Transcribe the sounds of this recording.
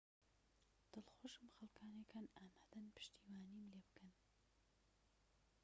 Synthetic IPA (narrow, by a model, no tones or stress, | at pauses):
d̪̥ɨlxoʃɨmxɐlkʰaːnekʰaːnaːmad̪anpʰɨ̥ʃt̪iːwaːniːmleːbɨkʰɨn